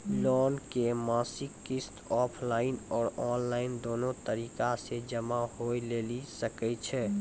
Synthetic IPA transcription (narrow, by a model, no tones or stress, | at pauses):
lɔːnkemaːsɪkːist̪ɔːpʰlaːɪnɔːɾɔːnlaɪnd̪oːnõt̪əɾikased͡ʒəmaɦoilelisəkɛt͡ʃʰɛ